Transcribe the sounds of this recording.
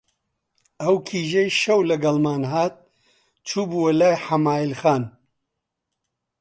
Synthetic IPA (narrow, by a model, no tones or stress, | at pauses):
ɐwkʰiːʒejʃɐwlɐɡɐlmaːnɦaːt̪̚ | t͡ʃʰuːbuwɐlaːjħamaːilxaːn